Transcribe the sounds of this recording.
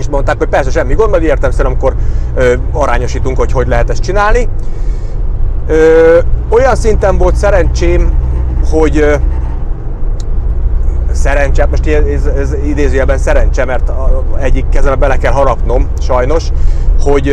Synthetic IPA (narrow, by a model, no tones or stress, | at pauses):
ʃt̪mo̞nt̪aːkhoc̚ʲpɛrsɛʃɛmːiɡond̪ɒɡeːrt̪ɛmsɛɾɒmiko̞røːɒɾaːɲo̞ʃiːt̪uŋkho̞cho̞ɟlɛɦɛt̪ɛst̪t͡ʃinaːlni | øːo̞jɒnsint̪ɛɱvo̞lt̪sɛɾɛnt͡ʃeː | ho̞ɟ | sɛɾɛnt͡ʃaːt̪mo̞ʃt̪iɛɛzɛzid̪eːzyːjɛbɛnsɛɾɛnt͡ʃɛmɛrt̪ɛɟːikːɛzɛnɛbbɛlɛkɛlɦɒɾɒkno̞m | ʃɒjno̞ʃho̞ɟ